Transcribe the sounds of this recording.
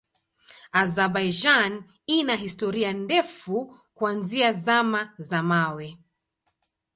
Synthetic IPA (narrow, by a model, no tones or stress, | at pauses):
azabajd͡ʒan | inaɦistɔɾiandɛfu | kuanziazamazamawɛ